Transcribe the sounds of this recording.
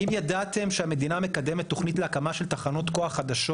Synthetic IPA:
imjad̪at̪e̞mʃeame̞d̪iname̞kad̪e̞metːo̞χnit̪leakamaʃelt̪aχano̞t̪ko̞aχad̪aʃo

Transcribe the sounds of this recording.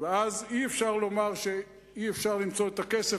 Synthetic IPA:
veaziefʃaʁlo̞maʁʃe̞ | iefʃaʁlimt͡so̞et̪ake̞se

